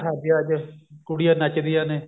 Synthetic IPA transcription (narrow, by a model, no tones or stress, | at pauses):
ɦʰaːd̪ijaːd͡ʒkʊɽijãːnət͡ʃd̪ijãːneː